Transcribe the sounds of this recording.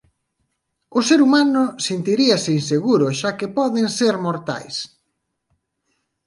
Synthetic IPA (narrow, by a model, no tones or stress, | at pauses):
ʊseɾumanʊsent̪iɾiɐseinseɣuɾʊʃakepɔðeŋseɾmoɾt̪a̰js